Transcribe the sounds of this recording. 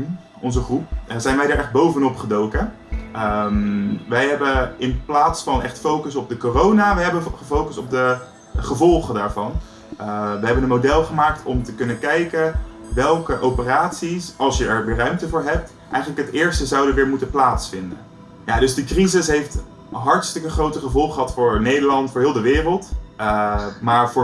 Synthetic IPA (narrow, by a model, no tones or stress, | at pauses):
ɔnzəχrup̚zɛjnʋɛjdaːɹʔɛχd̚bowvənɔpχədowkə | əmʋɛjɦɛbəɪnplaːtsfɑnɛχtfowkəsɔp̚dəkoːrownaːʋɛjɦɛbəχəfowkəsɔp̚də | χəvɔlˠχədaːɹvɑn | ʋəɦɛbənənmodɛlˠχəmaːktʰɔmtəkɵnəkɛjkənʋɛlˠkəʔowpəraːtsisɑlˠsjəɛɹʋɪːɹrœɥmtəvʊːɹɦɛp̚t | ʔɛjχələkɦətɪːɹstəzɑwdəʋɪːɹmutəplaːtsfɪndə̰ | ja̰ːdɵzdəkrizɪsɦejft | ɦɑɹtstəkəχrowtəχəvɔlˠχəɦɑtfʊːɹnejdəlɑntfːɹɦɪːlˠdəʋɪːrəlˠtəmaːɹvʊː